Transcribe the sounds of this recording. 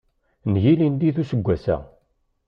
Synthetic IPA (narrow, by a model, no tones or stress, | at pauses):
njilind̪iθusəɡʷːæsæ̰